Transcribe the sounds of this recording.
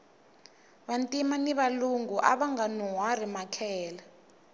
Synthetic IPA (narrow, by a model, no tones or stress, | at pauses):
ɓantʼimaniβaluŋɡuʔa̰ɓaŋɡanuɦwarimakʰɛːla